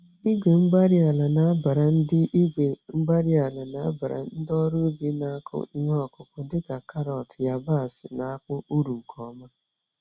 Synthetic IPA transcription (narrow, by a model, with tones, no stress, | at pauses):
i˦ɡʷe˨ŋ͡m̩˦ɡ͡ba˦ɾi˦a˨la˨na˨˦a˦ba˨ɾa˨n̩˦dɪ˦ʔi˦ɡʷe˨ŋ͡m̩˦ɡ͡ba˦ɾi˦a˨la˨na˦a̰˦ba˨ɾa̰˨n̩˦dɔ˦ɾʊ˦bi˦na˦a˦kʰʊ̰˦i˦ŋʷ˦ɔ˨kʊ˨kʊ˨dɪ˦ka˨ka˦ɾɔ˨tja˨ba˦˨sɪ˨na˨a˦kʊ˦u˦ɾu˨kʰɔ˨˦ma˦